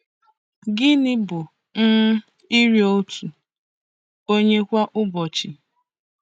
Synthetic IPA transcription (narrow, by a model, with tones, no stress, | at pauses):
ɡɪ˦nɪ˦bʊ˨ | n̩˦ | i˦ɾi˦o˦tu˨ | o˦ɲe˦kʷa˦ʔʊ˦bɔ˨t͡ʃi˨